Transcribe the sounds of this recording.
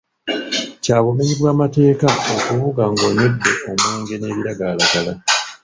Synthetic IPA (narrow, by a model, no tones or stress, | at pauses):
caːβume̞ɲiβwaːmate̞ːkao̞kuβuɡaŋɡo̞ːɲo̞dːe̞ʔomuːŋɡe̞ne̞ːβiɾaɡalaɡala